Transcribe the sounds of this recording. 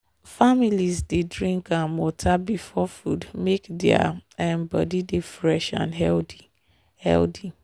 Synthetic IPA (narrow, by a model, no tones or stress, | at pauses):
familizdedɹĩŋkãnmɔtʰabifɔfudmekdɛa̰ãnbɔ̰didefɹɛʃã̰nɦɛldi | hɛ̰ldi